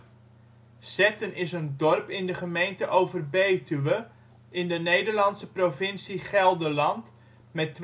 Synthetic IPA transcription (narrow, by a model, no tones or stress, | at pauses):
z̥ɛtənɪsəndɔrpɪndəχəmejntəʔowvərbejtyʋə | ʔɪndənejdərlɑnsəprovɪnsiχɛlˠdəlɑnt | mɛtː